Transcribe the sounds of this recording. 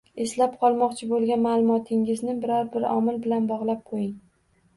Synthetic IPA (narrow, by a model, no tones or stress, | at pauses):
eslap̚qʰɒlˠmɒqt͡ʃʰɪbolˠɡʲanmalˠʊmɒt̪ʰɪŋɪznɪbɪɾɒɾbɪɾɒ̰mɪlbɪlanbɒʁlˠap̚qʰojɪŋ